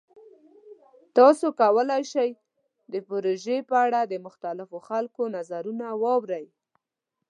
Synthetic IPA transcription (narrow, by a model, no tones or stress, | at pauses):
t̪ɑsokawəlajʃaj | d̪əpoɾoʒepəaɽad̪əmʊxt̪alɪfoxalkonazaɾunawɑwɾaj